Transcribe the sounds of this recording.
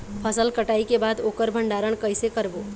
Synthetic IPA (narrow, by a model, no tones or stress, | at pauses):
pʰəsəlkəʈaːikebaːd̪oːkəɾbʱə̃ɳɖaːɾəɽ̃kəɪsekəɾboː